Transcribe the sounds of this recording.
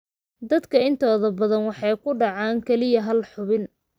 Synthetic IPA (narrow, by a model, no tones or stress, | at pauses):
d̪ɐd̪kʰɐɪnt̪ʰɔːðɐbɐðɐnwɑħɑjkʰʊɖɑʕɑːŋkʰɛlɪjɐɦɐlħʊβɪn